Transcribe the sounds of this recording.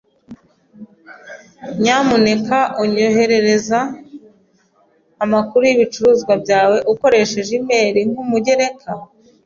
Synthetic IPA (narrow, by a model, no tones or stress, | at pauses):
ɲamune̞kaʔuɲo̞ɦe̞ɾe̞ɾe̞za | makuɾujiβit͡ʃuɾuːzɡwabɟaːwe̞ʔuko̞ɾe̞ʃe̞ʒimeːɾiŋhumuɟe̞ɾe̞kʰa